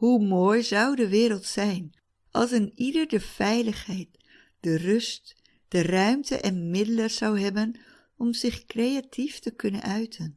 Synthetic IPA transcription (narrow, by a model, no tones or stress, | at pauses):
humoːjzʌwdəʋɪːɾəlˠtsɛjn | ʔɑ̰lˠs̬ɪnidəɹdəfɛjləχhɛjt̚ | d̥ərʏst | d̥ərœɥmtʰə̰ʔɛnmɪdələzawɦɛbən | ɔmzɪχkrejatʰiftəkɵnə̰nœɥtʰən